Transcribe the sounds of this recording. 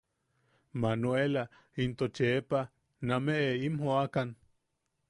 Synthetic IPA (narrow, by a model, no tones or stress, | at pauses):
manoela | int̪ot͡ʃeepa | nameʔeimhoakan